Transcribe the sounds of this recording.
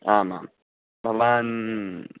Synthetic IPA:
ama̰m | baman

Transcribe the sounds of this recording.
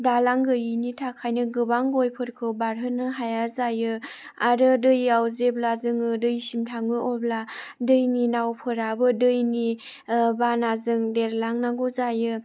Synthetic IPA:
dalaŋɡɯjɯnitʰakʰajnɯɡɯbaŋɡojpʰɯɾkʰɯwbaɾɦɯnɯɦajazajɯ | aɾɯdɯjawzeblazɯŋɯdɯjsimtʰaŋɯɔbladɯjninawpʰɯɾabɯdɯjni | banazɯŋdeɾlaŋnaŋɡɔzajɯ

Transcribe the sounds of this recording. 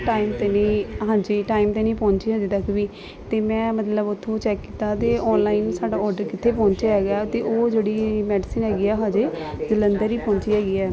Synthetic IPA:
ʈaːiːmt̪eːneːɦãːɲd͡ʒiːʈaːimt̪eːnĩːpɔ̃ːɲt͡ʃiːɦãːd͡ʒeːt̪əkʋiː | t̪eːmɛ̃ːmət̪ləbʊt̪ʰːõːt͡ʃɛːkːiːt̪aːt̪eːʔɔːnlaːinsaːɖaːɔːɾɖəɾkɪt̪ʰːeːpɔ̃ːɲt͡ʃaɦɛːɡaːt̪eːʔoːd͡ʒeːɽiːmɛːɖɪsiːnɦɛːɡiːɛːɦãːd͡ʒeː | zələnd̪əɾiːpɔ̃ːɲt͡ʃiːɦɛːɡiːɛː

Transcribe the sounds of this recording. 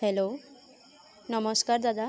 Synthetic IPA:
ɦelo | nɔmɔskaɾd̪ad̪a

